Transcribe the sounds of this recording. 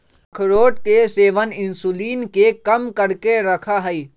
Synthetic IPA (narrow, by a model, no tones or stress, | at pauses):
kʰɾoːʈkeseːʋənɪ̃nsuliːnkekɐmkəɾkeɾɐkʰaɦɛi